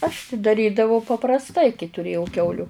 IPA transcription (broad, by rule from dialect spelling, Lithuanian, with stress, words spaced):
ɐʃ tʲɪ dɐˈrʲiːdɐʋɐʊ pɐprɐsˈtɐɪ kɐɪ tʊˈrʲeːjɛʊ ˈkʲɛʊlʲʊ